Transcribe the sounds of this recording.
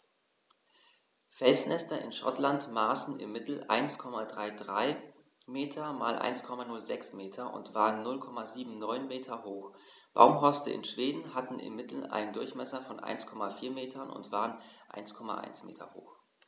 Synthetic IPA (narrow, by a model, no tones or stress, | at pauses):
fɛlsnɛstɐʔɪ̰nʃɔ̰tlantmaːsn̩ʔɪ̰mːɪtl̩ʔa̰ɪnskʰɔmadʁaɪdʁaɪ | meːtʰɐma̰ːlʔa̰ɪnskʰɔmanʊlzɛksmeːtʰɐʔʊ̰ntv̥aːʁənːʊlkʰɔmaziːbm̩nɔʏnmeːtʰɐhoːx | b̥a̰ʊmɦɔɐstə̰ʔɪ̰nʃv̥eːdn̩hatn̩ʔɪ̰mːɪtl̩a̰ɪnəndʊɐçmɛsɐfɔnʔa̰ɪnskʰɔmafiːɐmeːtʰɐnʔʊ̰ntv̥aːʁənʔa̰ɪnskʰɔma̰ʔa̰ɪnsmḛːtʰɐ̰ho̰ːx